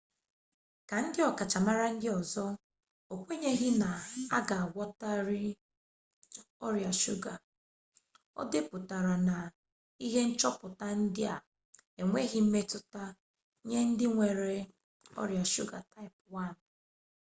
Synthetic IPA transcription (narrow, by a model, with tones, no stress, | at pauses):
ka˨n̩˦dɪ˦ɔ˨ka˨t͡ʃa˨ma˦ɾa˦n̩˦dɪ˦ɔ˨zɔ˦ | o˨kʷe˦ɲe˦ɣɪ˦na˨a˦ɡa˨ɡʷɔ˦ta˦ɾɪ˦ | ɔ˦ɾja˨ʃu˦ɡa˨ | ɔ̰˦dɪ˦pʊ˨ta˨ɾa˨na˨ | i˦ɦe˦n̩˦t͡ʃɔ˦pʊ˨ta˦n̩˦dɪ˦a˨ | e˨ŋʷe˦ɣɪ˦m̩˦me˦tʊ˦ta˦ | ɲe˦n̩˦dɪ˦ŋʷe˨ɾe˨ | ɔ̰˦ɾja˨ʃu˦ɡa˨ta˦ɪ˨pwa˦˨n̩˨